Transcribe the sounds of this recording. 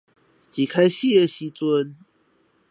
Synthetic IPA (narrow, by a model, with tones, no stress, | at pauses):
t͡ɕi˨˩kʰa˦ɪɕi˥˧ə˥˨˩ɕi˦t͡swə˦n